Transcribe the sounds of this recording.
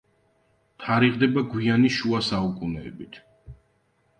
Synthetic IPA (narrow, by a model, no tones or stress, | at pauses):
t̪ʰaɾiʁd̪ɛbaɡwianiʃuasaukʼunɛ̰ːbit̪ʰ